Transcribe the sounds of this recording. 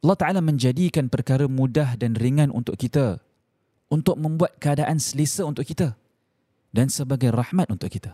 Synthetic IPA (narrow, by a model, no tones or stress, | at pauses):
ʔɑlːɑht̪aʔalamə̃ɲd͡ʒadikanpərkaɾəmũdahdanriŋãnʔṵnt̪ʊʔkːit̪a | unt̪ʊk̚mə̃mbuat̪̚kəadaʔansəlisəunt̪ʊʔkit̪a | dansəbaɡajrɑhmat̪̚unt̪ʊʔkit̪a